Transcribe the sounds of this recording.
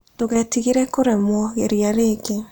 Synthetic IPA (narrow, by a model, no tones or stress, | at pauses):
toɣɛtiɣiɾɛkoɾemɔɣeɾiaɾeke